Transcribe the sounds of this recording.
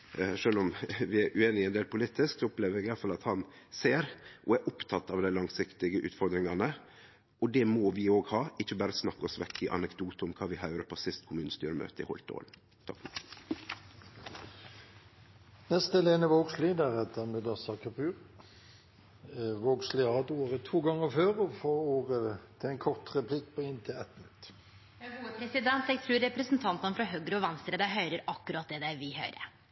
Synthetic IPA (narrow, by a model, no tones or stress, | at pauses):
ʂøːlɔmʋɪæɾʔʉeːnɪɛɪnd̪eːlpʰʊliːt̪ɪsksɔɔpleːʋəɾɛɡɪjɑlfɑlɑt̪hɑn | seːɾʔɔæɾʔʊpt̪ʰɑt̪ːɑʋd̪æɪlɑŋsɪkt̪ɪɡəʔʉ̰ːt̪fɔɾd̪ɾɪŋɑnə | ɔd̪ɛmɔʋɪoːɡhɑːɪçːəbɑːɾəsnɑkːɔsʋɛkːɪʔɑ̰nɛkd̪uːt̪ɔmkʰɑːʋɪɦɑʉɾəpʰɔsɪst̪kʰʊmʉːnəst̪yːɾəmø̰ːt̪əɪ̰hɔ̰lt̪o̰l | t̪ʰɑkf | nɛst̪ɛleːnəʋoːɡslid̪əʁɛt̪əmʉd̪əsɑkʰɑpʰʉːʁ | ʋoːɡslɪɑːd̪oːʁət̪ʰuːɡɑŋːəføːʁɔfoːoːʁət̪ʰɪlɛnkʰɔʁt̪ʁɛpʰlɪkːpʰɔɪnt̪ʰɪlɛt̪mnʉt̪ː | ɡuːəpʰɾɛsɪd̪ɛnt̪ɛɡ̚t̪ʰɾʉːɾːɛpɾəsnt̪ʰɑnt̪ənəfɾɑɦøɡɾəɔʋɛnst̪ɾəd̪æɦœʏɾəɾɑkːʉɾɑt̪̚d̪ɛːd̪æʋɪhœ̰ʏɾə̰